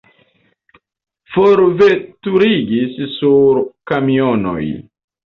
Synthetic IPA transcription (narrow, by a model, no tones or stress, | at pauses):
foɾve̞tuɾiɡissuɾkamiono̰j